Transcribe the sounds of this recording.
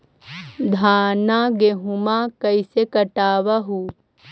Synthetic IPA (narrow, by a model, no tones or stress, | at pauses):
d̪ʱaːnaɡeɦumakɐisekɐʈaːʋaɦu